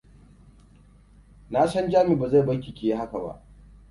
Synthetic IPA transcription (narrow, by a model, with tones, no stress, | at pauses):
naː˦sɐ˦nd͡ʒaː˦mi˨ba˨za˦˨bɐ˦kʲi˨kʲeː˨je˦ha˦ka˨ba̰˦ʔ